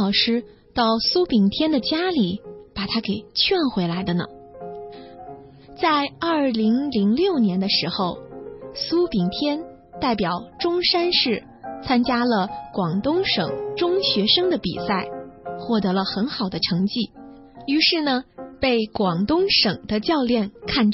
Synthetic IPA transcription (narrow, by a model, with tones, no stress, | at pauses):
ɑ˨˩ʊʂɻ̩˥ | t̪ɑ˥˩ʊsu˥pi˨˩ŋt̪ʰjɛ˥nd̪ə˨t͡ɕja˥li˨˩˦pa˨˩t̪ʰa˥ke˨˩ɪt͡ɕʰɥɛ˥˩nxwe˧˥ɪla˧˥ɪd̪ə˧nə̰˩ | t͡sa˥˧ɪɐ˞˥˩li˧˥ŋli˧˥ŋljo˥˩ʊnjɛ˧˥nd̪ə˧ʂɻ̩˧˥xo˥˧ʊsu˥pi˨˩ŋt̪ʰjɛ˥n | t̪a˥˩ɪpjɑ˨˩ʊʈ͡ʂʊ˥ŋʂa˥nʂɻ̩˥˩ | t͡sʰa˥nt͡ɕja˥lə˨˧kwɑ˨˩ŋt̪ʊ˥ŋʂɤ̰˨˩ŋʈ͡ʂʊ˥ŋɕɥɛ˧˥ʂɤ˥ŋd̪ə˨pḭ˨˩sa˥˩ɪxwɔ˥˩t̪ɤ˧˥lə˧xə˧˥nxɑ˨˩ʊd̪ə˦ʈ͡ʂʰɤ˧˥ŋt͡ɕi˥˩ | y˧˥ʂɻ̩˥˩nə˩pe˥˩ɪkwɑ˨˩ŋt̪ʊ˥ŋʂɤ˨˩ŋd̪̥ə˦t͡ɕjɑ˥˧ʊljɛ˥˩nkʰa˥˩n